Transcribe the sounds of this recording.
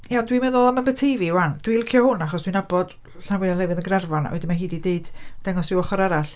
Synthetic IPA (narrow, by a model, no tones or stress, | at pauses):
jaɔndwimɛðɔlˠamənbətʰejviwand̥wilˠkʰjɔhʊnaχɔsd̥winabɔd̥ | ɬanwɪanlɛwɨðənɡrarvɔna̰wɛ̰dɪnmahiːdideɨd̥d̥ɛŋɔsɪwɔχɔɾaɾaɬ